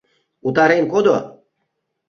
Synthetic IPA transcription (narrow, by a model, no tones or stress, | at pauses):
ut̪aɾenkod̪o